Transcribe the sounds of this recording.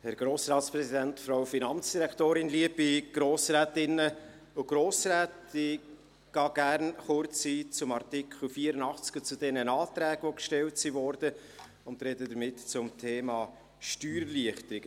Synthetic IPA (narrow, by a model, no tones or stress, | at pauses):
hɛɾɡ̥ɾoːsɾɑːtspɾɛsidɛntfɾaʊfinɑnt͡sd̥iɾɛktoːɾɪnliəbiɡ̥ɾoːsɾɛːtɪnːə | ʊɡ̥ɾoːsɾɛːtɪ | ɡ̥ɑːɡ̥æɾnχʊɾt͡sit͡sʊmɑɾtɪkʰχl̩fiəɾənɑχt͡skət͡sʊd̥ɛnənɑːtɾɛːɡ̥ʋokʃtɛltsivɔɾd̥ə | ʊnt̪ɾɛdədəɾmɪtt͡sʊmtʰeːmɑː | ʃtyːɾliəχtəɾɪɡ̥ə